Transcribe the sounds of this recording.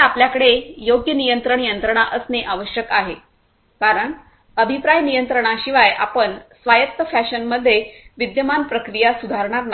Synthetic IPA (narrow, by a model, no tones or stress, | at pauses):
apljakəɽejoɡjənijənt̪ɾəɳjənt̪ɾəɳ̃aʔəsneʔaʋəɕjəkaɦe | kaɾəɳ | əbʱipɾajnijənt̪ɾəɳ̃aɕiʋajapəɳsʋajətt̪ːəfæɕənməd̪ʱːjeʋid̪jəmanpɾəkɾijasud̪ʱaɾɳ̃aɾna